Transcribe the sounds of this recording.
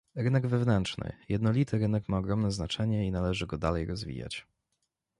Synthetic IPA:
ɾɘnɛɡvɛvnɛntt͡ʂnɘ̰jɛd̪nɔlʲit̪ɘɾɘnɛkmaɔɡɾɔmnɛznat͡ʂɛɲɛinalɛʐɘɡɔd̪alɛjɾɔzvʲḭja̰t͡ɕ

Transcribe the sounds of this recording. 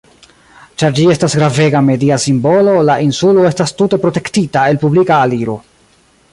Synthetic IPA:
t͡ʃaɾd͡ʒie̞stasɡɾave̞ɡame̞diasimbo̞lo̞laʔinsulo̞estastute̞pɾo̞te̞ktitae̞lpublikaːliɾo̞̰

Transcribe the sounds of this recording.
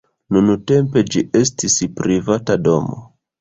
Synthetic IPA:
nunute̞mpe̞d͡ʒiʔe̞s̬tispɾivatado̞mo̰

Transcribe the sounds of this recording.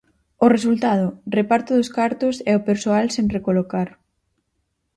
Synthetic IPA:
ʊresult̪að̞ʊrepaɾt̪ʊðʊskaɾt̪ʊsɛopeɾsoalseŋrekolokaɾ

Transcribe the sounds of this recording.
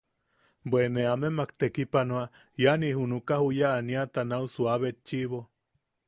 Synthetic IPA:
bweneamemakt̪ekipanwa | janihunukahujaːniat̪anausuaβet̪̚t͡ʃiβo

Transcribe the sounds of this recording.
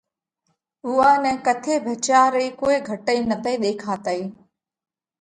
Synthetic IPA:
ʊaːnɛ̃ːkət̪ʰeːbʱət͡ʃaːɾeːkoːiɡʱəʈəiːnət̪əiːɗ̪eːkʰaːt̪əiː

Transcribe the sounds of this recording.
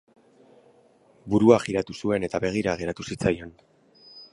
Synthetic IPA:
buɾuaxiɾat̪usue̞ne̞t̪aβe̞ɣ̞iɾaɣe̞ɾat̪usit͡sajo̞n

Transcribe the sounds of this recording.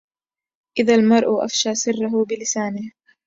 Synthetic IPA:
ʔɪðalmɑɾˤʔʊʔa̰fʃaːsɪrːaɦʊbɪlɪsaːnɪh

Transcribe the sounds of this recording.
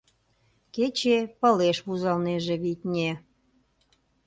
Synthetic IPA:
ket͡ɕepə̆leʃβuzɑlneʒeβit̪ʲnʲe

